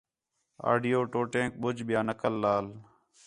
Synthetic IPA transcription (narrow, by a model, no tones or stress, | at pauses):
a̰ːɖɪjoːʈoːʈẽːk̚ɓʊd͡ʒɓɪjaːnəkəlːaːl